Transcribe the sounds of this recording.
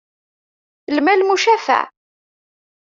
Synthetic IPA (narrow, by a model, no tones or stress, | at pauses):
lmælmuʃæfæ̰